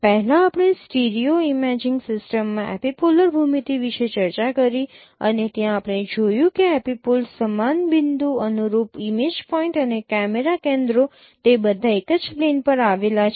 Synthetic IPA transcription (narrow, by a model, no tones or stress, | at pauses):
pɛɦɛlãapɽ̃esʈiɾioimɛd͡ʒɪŋɡsɪsʈəmːãʔɛ̰pipuləɾbʱumit̪iʋiʃet͡ʃəɾt͡ʃakəɾi | ə̰net̪jãːpɽ̃ed͡ʒojũkeɛpipulsəmanbɪnd̪uənuɾupimed͡ʒpɔĩɳʈənekɛmeɾakẽnd̪ɾo | t̪ebəd̪ʱãekəd͡ʒplenpəɾaʋelat͡ʃʰ